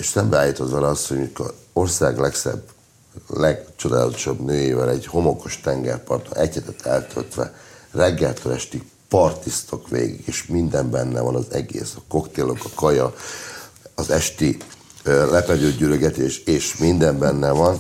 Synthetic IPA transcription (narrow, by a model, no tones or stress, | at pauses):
eʃsɛmbɛaːjit̪ot̪ʋɛlɛɒshojiko̞rsaːɡlɛksɛ̰b | lɛɡt͡ʃo̞d̪aːlɒ̰t̪o̞̥ʃɒbnøːjeːvɛlɛɟho̞mo̞ko̞ʃt̪ɛŋɡɛrpɒrt̪o̰ʔɛchɛt̪ɛt̪ʰːɛlt̪ʰølt̪ʋɛ̰rɛɡːɛlt̪ʰølɛʃt̪i | pɒrt̪ist̪okʋḛːɡḭɡeːʃmind̪ɛmbɛnːɛvɒnɒzɛɡḛːsɒko̞kt̪eːlo̞kɒkɒjɒ | ɒzɛʃt̪i | lɛpɛdøːɟyløɡɛt̪eːʃeːʃmind̪ɛmbɛnːɛvɒn